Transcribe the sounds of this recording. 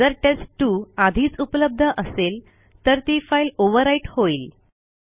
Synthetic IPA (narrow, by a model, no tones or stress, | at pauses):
d͡zəɾʈesʈʈːuːad̪ʱiːt͡supələb̚d̪ʱəʔəsel | t̪əɾt̪ifailoʋəɾaiʈhoiːl